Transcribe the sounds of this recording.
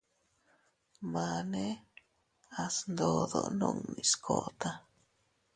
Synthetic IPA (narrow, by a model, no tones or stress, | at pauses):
mane | asnd̪od̪o̰noŋniskʰot̪a